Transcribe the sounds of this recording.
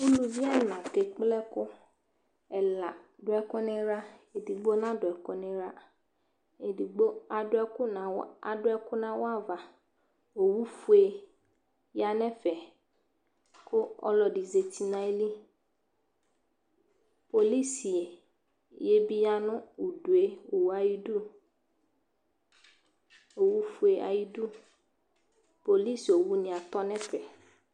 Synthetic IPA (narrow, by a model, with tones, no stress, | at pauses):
u˦lu˨vi˦a˦nã˨ke˨k͡plɛ˦kʊ˦ | ɛ˨la˨ɖʊ˨˦ɛ˨kʊ˦nẽ˦ɾa˦e˨di˨ɡ͡bo˦nã˦dʊ˨ɛ˨kʊ˦nẽ˦ɾa˦ | e˨di˨ɡ͡bo˦a˨dʊ˦ɛ˦kʊ˦nã˨wa˨dʊ˦ɛ˦kʊ˦nã˨wo˦a˦˨va˨ | o˨wu˦fu˦e˨ | ja˨nɛ̃˦fɛ˨ | kʊ˦ɔ̰˦lɔ˨ɖi˨ze˨t̪ʰi˨nã˨e˦li˦ | po˨li˦si˨e˨ | je˦bi˦ja˦nʊ̃˦u˨du˨e˦o˨wa˨ji˦du˦ | o˨wu˦fu˦e˨ʔa̰˨ji˦du˦ | po˨li˦˨so˨wu˦nɪ̃˨a˨t̪ɔ˦nɛ̃˦pɛ˨